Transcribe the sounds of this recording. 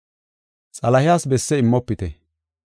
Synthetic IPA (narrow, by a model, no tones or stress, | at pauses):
t͡sʼɐlɐhɪjaːsbɛsːɛɪmːɔpːɪt̪ɛ